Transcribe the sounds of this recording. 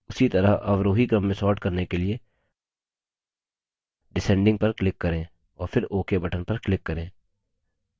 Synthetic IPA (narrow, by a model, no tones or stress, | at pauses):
ʊsit̪ɐɾaʔɐʋɾoːɦikɾɐ̃mːẽsɔːɾʈkɐɾnekelie | ɖɪsɛ̃ːɳɖɪ̃ŋɡ̚pɐɾklɪkːɐɾẽː | ɔːɾpʰɪɾoːkebɐʈənpɐɾklɪkːəɾẽː